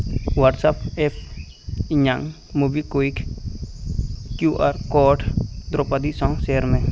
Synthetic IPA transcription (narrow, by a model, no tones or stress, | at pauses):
waʈsapef | iɲaŋ | mubikoik | kjuʔaɾkɔʈd̪ɾopad̪isɔ̃ŋseɾmẽ